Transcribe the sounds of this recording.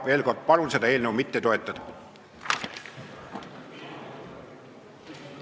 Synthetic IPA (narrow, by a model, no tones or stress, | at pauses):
ve̞ːlko̞rd̪̥̚pɑlunsed̪ɑe̞ːlnewmit̪ːet̪o̞et̪ːˑɑd̪̥ɑ